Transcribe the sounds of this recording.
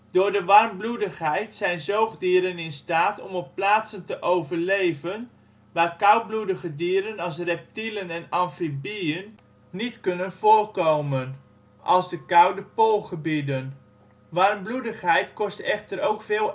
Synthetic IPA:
d̥ʊːɹdəʋɑrmbludəχɦɛjtsɛjnzowχdiːɾənɪnstaːtɔmɔpːlaːtsəntəʔowvəɹlejvən | ʋaːɹkʌwt̚bludəχədiːɾənɑlˠs̬rɛp̚tilənɛnɑnfibijənː | itkɵnənv̥ʊːɹkowmən | ʔɑlˠzdəkʌwdəpolˠχəbidən | ʋɑrmbludəχɦɛjtkɔstɛχtəɾowkfɪːlˠ

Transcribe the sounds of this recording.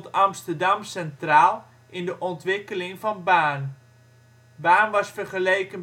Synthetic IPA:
tɑmstəɹdɑmsɛntraːlˠ | ʔɪndəʔɔntʋɪkəlɪŋvɑnbaːn | baːnʋɑsfərχəlejkən

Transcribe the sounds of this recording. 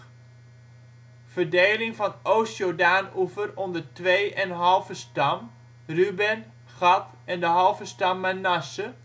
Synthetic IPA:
v̥ərdeːlɪŋvɑnʔowsjodaːnufərɔndərtʋeːʔɛnɦɑlˠvəstɑm | rybɛn | χɑt | ɛndəɦɑlˠvəstɑmːanasə

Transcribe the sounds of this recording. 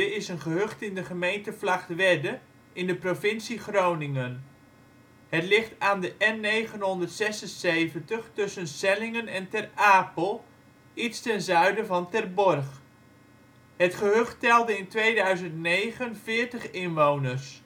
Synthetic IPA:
ɪsənχəɦøχtɪndəχəmejntəflaχtʋɛdə | ɪndəprofɪnsiχrownɪŋən | hətlɪχtaːndəʔɛnːejχənɦɔndərtsɛsənsejvəntəχtɵsənsɛlɪŋənɛntɛraːpəlˠ | itstɛnzœɥdəvɑntɛrbɔrχ | hətχəɦøχttɛlˠdəɪntʋejdœɥzəntnejχənvɪːɹtəχɪnʋownərs

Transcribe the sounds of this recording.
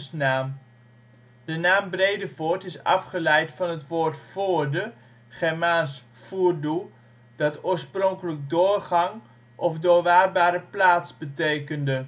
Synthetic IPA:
snaːm | dənaːmbrejdəvoːɹtɪsɑ̰fχəlɛjtfɑnɦətʋoːɹtfoːɹdə | χɛɹmaːs | fuːrdu | d̥ɑtoːɹsprɔŋkələɡ̚dʊːɹχɑŋ | ʔɔfdʊːɹʋaːrbaːɾəplaːtsbətejkəndə

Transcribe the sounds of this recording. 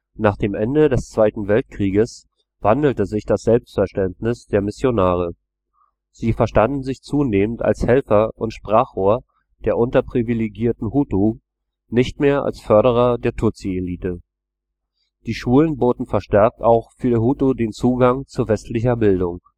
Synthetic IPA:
naːχd̥eːmʔɛndədɛst͡sv̥aɪtn̩vɛlt̚kʁ̥iːɡəs | v̥andl̩təzɪçd̥asz̥ɛlpstfɛɐʃtɛntnɪsd̥eːɐmɪsjonaːʁ̞ə | z̥iːfɛɐʃtandn̩zɪçt͡suːneːmənta̰lshɛlfɐʔʊntʃpʁ̥aːχoːɐ | d̥eːɐʔʊntɐpʁ̥ivileɡiːɐtn̩huːtu | nɪçtmeːɐʔa̰lsfœɐɾəʁ̞ɐdeːɐtʰʊt͡sieliːtə | d̥iːʃuːlənboːtn̩fɛɐʃtɛɐk̚taʊxfyːɐhuːtudeːnt͡suːɡaŋt͡suːɐvɛstlɪçɐbɪldʊŋ

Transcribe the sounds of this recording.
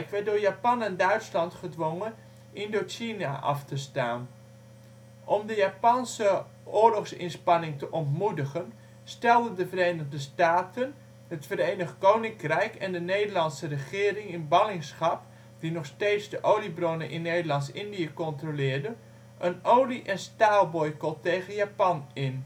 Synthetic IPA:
kʋɛdʊːɹjapɑnɛndœɥtslɑntχədʋoŋə | ʔɪndoːt͡ʃina̰ʔɑ̰ftəsta̰ːn | ʔɔmdəjapɑnsə | ʔʊːɹlɔχsɪ̰nspɑnɪŋtəʔɔntmudəχən | stɛlˠdəndəvərejnəχdəstaːtən | ɦətfərejnəχkownɪŋkrɛjkɛndənejdərlɑntsərəχɪːrɪŋɪnbɑlɪŋsχɑp̚ | d̥inɔχsteːtsdəʔoːlibronənʔɪnːeːdəlɑntsɪndiəkɔntrolɪːɹdə | ʔənowliʔɛnstaːlˠbɔjkəlˠtejɣənjapɑnɪn

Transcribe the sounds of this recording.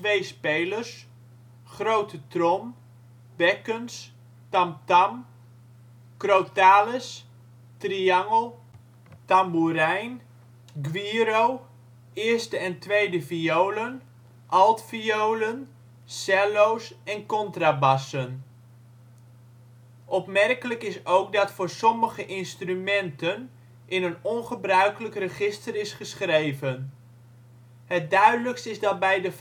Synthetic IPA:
tʋejspejlərs | χrowtʰətrɔm | b̥ɛkəns | tamtam | krowtaːləs | triaŋəlˠ | tambuɾɛjn | ɡʋiːɾow | ɪːrstəɛntʋejdəfioːlən | ʔɑlˠtfiowlən | sɛlowsɛnkɔntrabɑsən | ʔɔpmɛrkələkɪsowk̚dɑtfʊːɹsɔməχəʔɪnstrymɛntən | ʔɪnənɔnχəbrœɥkələkrəχɪstərɪsχəsχrejvən | hət̚dœɥdələkstɪzdɑt̚bɛjdə

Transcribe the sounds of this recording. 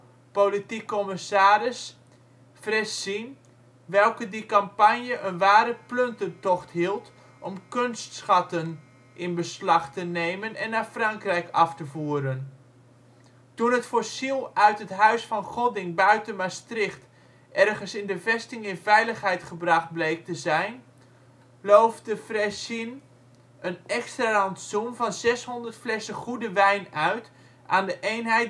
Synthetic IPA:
politikːɔmɪsaːɾɪs | frɛssin | ʋɛlˠkədikampanjəʔənʋaːɾəpløntətɔχtɦilˠt | ʔɔmkønstsχɑtən | ʔɪnbəslɑχtəneːmənɛnːafrɑŋkrɛjkɑftəvuəɾən | tunɦətfoɹsilˠœɥtɦətɦœɥsfɑnχɔdɪŋbœɥtənmastrɪχt | ʔɛrχənsɪndəvɛstɪŋɪnvɛjləχɦɛjtχəbrɑχd̚blejk̚təzɛjn | lowfdəfrɛsin | ənɛkstralɑntsumvɑnzɛsɦɔndəɹtflɛsəχudəʋɛjnœɥt | ʔaːndəʔejnɦɛj

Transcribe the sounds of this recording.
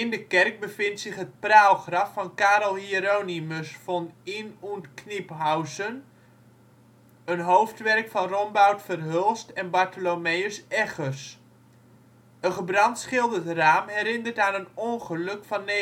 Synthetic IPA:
ɪndəkɛrk̚bəfɪntsɪχɦət̚prawχrɑfːɑnkaːɾəlˠhiɾoniməsfɔninuntknipɦawsən | ənɦowftʋɛrkfɔnrɔmbawtfərɦølˠstɛnbartəlomejəsɛχəs | əχəbrɑntsχɪlˠdətraːmɦɛɾɪndərtaːnənonχəlɵkfɑnːe

